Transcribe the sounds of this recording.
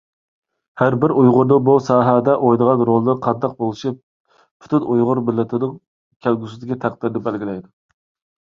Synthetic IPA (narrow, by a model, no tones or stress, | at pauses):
hæɾbɪɾujʁʊɾnɨbusɑːɦɛd̪ɛʔojd̪əʁɑnɾolˠɨnɨqʰɑnd̪ɑq̚bolˠɨʃi | pʰy̥t̪ʰynujʁʊɾmɪlːɪt̪ʰɪnɨŋ | kʲʰælɡʲysɪd̪ɪɡʲɛt̪ʰæq̚d̪̥ɪɾd̪ɪbælɡʲilɛjd̪u